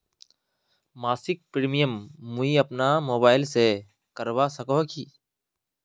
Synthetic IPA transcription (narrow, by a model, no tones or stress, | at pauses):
maːsɪk̚pɾiːmijəmːuiɐpnamoːbaːɪlse | kəɾwasəkoɦkiː